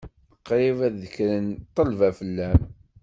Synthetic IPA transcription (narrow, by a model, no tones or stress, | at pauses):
qːevæðəçɾənt̪ˤːəlvæfəlːæm